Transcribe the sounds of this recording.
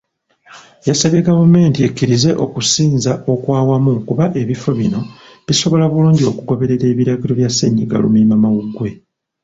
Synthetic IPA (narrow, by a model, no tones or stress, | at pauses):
jasaβe̞ɡavume̞ːntiekːiɾize̞ʔo̞kusiːnzaʔo̞kwaːwamukuβaʔe̞βifo̞βino̞ | βiso̞βo̞laβuluːɲɟio̞kuɡo̞βe̞ɾe̞ɾe̞ːβiɾaɟilo̞βjasːeɲːiɡa̰lṵmimamawuɡwe̞